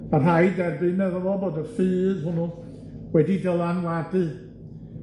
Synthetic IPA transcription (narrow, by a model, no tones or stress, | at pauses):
mar̥ajdɛrbɨnmɛðɔvɔboːdəfɨːðhʊnʊ | wɛdidəlˠanwadɨ